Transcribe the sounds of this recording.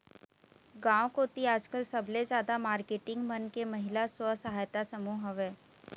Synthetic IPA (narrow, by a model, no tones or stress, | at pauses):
ɡãːwkot̪iaːd͡ʒkəlsɐbʱlezjaːd̪amaːɾkeːʈɪ̃ŋɡmənkemɐɦɪlaswəsəɦaːjt̪asəmuːɦɐʋeː